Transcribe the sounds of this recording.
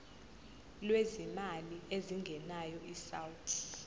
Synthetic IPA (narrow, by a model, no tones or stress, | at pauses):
lwezimalieziŋɡʱɛnajɔʔisawutʰ